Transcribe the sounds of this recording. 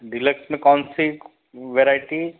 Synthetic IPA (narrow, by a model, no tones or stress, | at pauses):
ɖiləksmẽkɔːnsi | ʋeɾaːɪʈi